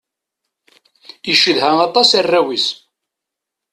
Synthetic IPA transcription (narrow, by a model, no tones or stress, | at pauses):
iʃəðɦæmɑt̪ˤɑsærːæwis